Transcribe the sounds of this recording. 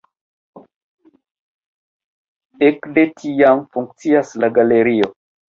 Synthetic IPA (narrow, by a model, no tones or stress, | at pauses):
ekdetʰiamfuŋk̚t͡siaslaɡaleɾio